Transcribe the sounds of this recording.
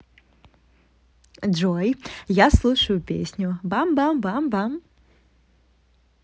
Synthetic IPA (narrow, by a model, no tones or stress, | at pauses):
ʐɔjjaslˠuʂɐjʊpʲḛsʲnʲʊbambambambam